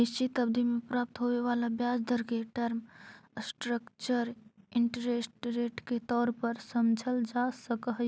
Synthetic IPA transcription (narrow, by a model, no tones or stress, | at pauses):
et͡ʃit̪əbd̪ʱimẽpɾaːp̚t̪ɦoʋeʋaːlabjaːsd̪ʱəɾkeʈəɾmsʈɾəkt͡ʃəɾɪ̃ɳʈəɾeːsʈɾeːʈket̪ɔːɾpəɾsəmd͡ʒʱəld͡ʒasəkəɦ